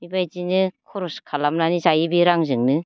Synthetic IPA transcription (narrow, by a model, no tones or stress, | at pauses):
ibajd͡ʒinɯkʰɔɾɔskʰalamnanizajibiɾaŋzɯŋnɯ